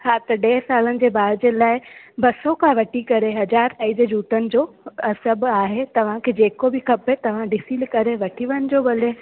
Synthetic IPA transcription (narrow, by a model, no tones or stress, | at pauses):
ɦaːt̪ɐɗɛːsaːlənɪ̆d͡ʑeːbaːd̪d͡ʑeːlaːɪbɐsɔkʰãʋɐʈʰikɐɾeɦɐd͡ʑaːɾt̪aːid͡ʑəd͡ʑuːt̪ənɪ̆d͡ʑoːɐsəbaːɦet̪ɐʋ̤ãkʰeːd͡ʑeːkobɪkʰɐpet̪ɐʋ̤ãɖɪsilkɐɾeʋɐʈʰiʋəənɪ̆d͡ʑoːbɐle